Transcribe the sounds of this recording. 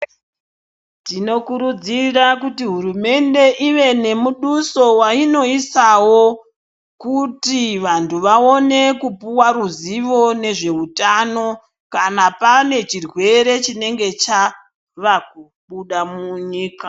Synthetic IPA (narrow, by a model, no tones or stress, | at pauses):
tino̞kuɾud͡zirakutiɦuɾume̞nde̞ʔiʋe̞ne̞muɗuso̞waino̞isawo̞ | kutiʋantuʋaone̞kupuwaruziʋo̞ne̞ʐe̞utano̞ | kanapane̞t͡ʃirwe̞ɾe̞t͡ʃine̞ŋɡe̞t͡ʃa | ʋak̚u | ɓuɗamuɲiːka